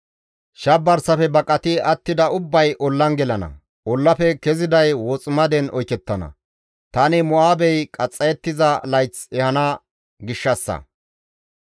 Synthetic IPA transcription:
ʃɐbːɐɾsɐfɛbɐkʼɐt̪ɪɐt̪ːɪd̪ɐʊbːɐjʔɔlːɐnɡɛlɐnɐ̰ | ʔɔlːɐpɛkɛzɪd̪ɐjwɔt͡sʼɪmɐd̪ɛnɔjkɛt̪ːɐnɐ̰ | t̪ɐnɪmʊaːbɛjkʼɐt͡sʼːɐjɛt̪ːɪzɐlɐjt͡sɛhɐnɐ | ɡɪʃːɐsːɐ̰

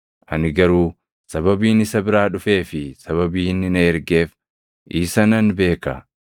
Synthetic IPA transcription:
ʔɐnɪɡɐɾuː | sɐbɐbiːnɪsɐbɪɾaːᶑʊfe̞ːfɪsɐβɐbiːnːɪnɐɛɾɡe̞ːf | ʔiːsɐnɐnbe̞ːkɐ

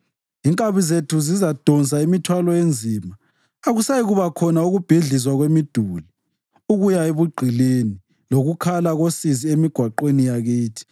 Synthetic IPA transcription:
iŋkʼaβizetʰuzizad̥ʱɔnt͡saimitʰwalɔjend͡zʱimaː | ɣusajiɣuβakʰɔnauɣub̥ʱiɮis̬waɣwemid̥ʱuli | uɣujaeβuɡ͡ǃʱileni | loɣukʰalaɣosiziemiɡ̥ʱwaǃwenijaɣiːtʰi̥

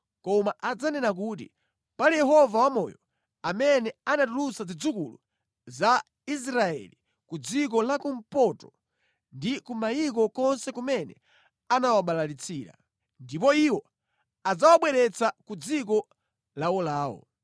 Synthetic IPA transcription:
kɔmaʔad͡zanɛnak̬ut̬ḭ | palijɛɦɔvawamɔ̰jɔ | amɛnɛanatulusazid͡zukulṵ | za | is̬ɾaɛ̰li | kud͡zik̬ɔlakum̩pɔtɔ̥ | ndikumaik̬ɔkɔnsɛkumɛnɛ̰ | anawaɓalalit͡sʰiːɾa̰ | ndip̬ɔiwɔ | ad͡zawaɓwɛɾɛt͡sakud͡zik̬ɔ | lawɔlaːwɔ̰

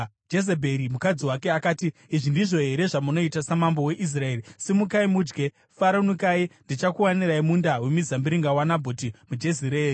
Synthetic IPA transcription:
d͡ʒesebʱe̞ɾimukad͡ziwake̞akaːtiːʐindiʐo̞ɦe̞ɾe̞ʐamuno̞itasamambo̞we̞ʔis̬rae̞ːrisemukaimuːd͡ʒɡe̞ | faɾonukaindit͡ʃakuwaniraimundawe̞mizambiɾiŋɡawanabʱotimud͡ʒe̞ziɾeːri

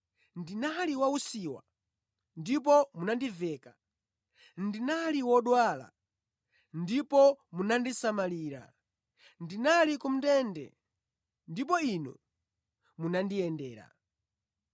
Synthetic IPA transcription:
ndinaliwausiwa̰ | ndip̬ɔmunandivɛːka | ndinaliwɔɗwala̰ | ndipɔmunandisamaliːɾa̰ | ndinalikum̩tɛndɛ̰ | ndip̬ɔinṵ | munandijɛndɛːɾa̰

